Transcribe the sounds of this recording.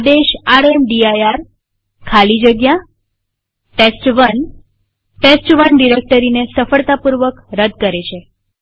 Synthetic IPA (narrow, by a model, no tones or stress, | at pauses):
d̪eʃaɽemɖiajaɾ | kʰalid͡ʒəɡja | ʈesʈʋən | ʈesʈʋənɖiɾek̚ʈəɾinesəfəɭt̪apuɾʋəkɾəd̪ʱkəɾet͡ʃʰe